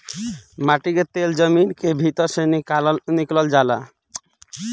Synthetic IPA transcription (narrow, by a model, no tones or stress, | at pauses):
maʈiɡet̪eld͡ʒəminkebʱit̪ɔɾʃenikalɔniklɔld͡ʒala